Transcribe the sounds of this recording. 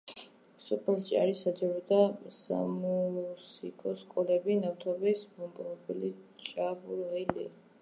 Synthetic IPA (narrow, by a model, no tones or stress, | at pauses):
sɔpʰɛlt͡ʃʼa̰ɾisad͡ʒaɾɔd̪asa̰musikʼɔskʼɔlɛbinaft̪ʰɔbɛsbɔmbʼɾɔbilit͡ʃʼabuɾʁɛlḭ